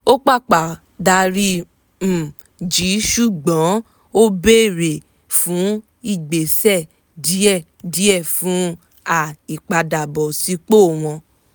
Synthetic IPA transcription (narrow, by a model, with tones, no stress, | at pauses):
o˦k͡pa˦˨k͡pa˨ | da˧ɾi˦ | m̩˨ | d͡ʒi˨˦ʃu˦˨ɡ͡bɔ̃˨˦ | o˦be˦˨ɾe˨ | fũ˨˦ | i˦˨ɡ͡be˨sɛ˦˨ | di˦ɛ˦˨ | di˨˦ɛ˦˨fũ˨˦ | a˦˨i˨k͡pa˨da˨bɔ˨si˨˧˦k͡po˦˨w̃ɔ̃˧